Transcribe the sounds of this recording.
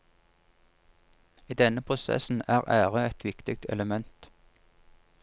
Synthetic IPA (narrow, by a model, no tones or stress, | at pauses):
iːd̪ɛnəpʰʁʊsɛ̰sn̩æːʁæːʁəɛt̪ʰʋɪkt̪ɪk̚t̪ʰɛ̰ləmɛnt̪